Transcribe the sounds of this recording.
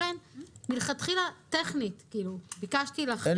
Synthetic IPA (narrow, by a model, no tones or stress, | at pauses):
ɛnmilχɐt̪χilat̪ɛχnit̪kilubikaʃt̪ilɐχ